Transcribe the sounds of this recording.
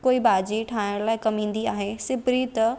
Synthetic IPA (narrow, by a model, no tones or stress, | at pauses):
koːibaːd͡ʑiʈʰaːɪɽ̃laːɪkɐmĩːn̆d̪iaːɦesɪbɾit̪ɐ